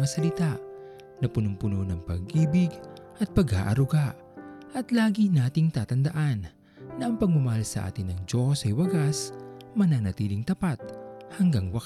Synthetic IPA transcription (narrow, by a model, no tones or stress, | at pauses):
ɐsɐlɪt̪aʔ | nɐpʊnʊmpʊnonɐŋpɐ̰ɡ̚ʔiːbɪɡʔɐt̪̚pɐɡha̰ːʔɐɾʊɡaʔ | ʔɐt̪laːɡinaːt̪ɪŋt̪aːt̪ɐnd̪ɐʔanː | ɐʔɐŋpɐɡ̚mʊmɐhalsɐʔa̰ːt̪ɪnːɐŋd͡ʒosɐjwɐɡasmɐnanɐt̪iːlɪŋt̪ɐpat̪̚hɐŋɡaŋwɐk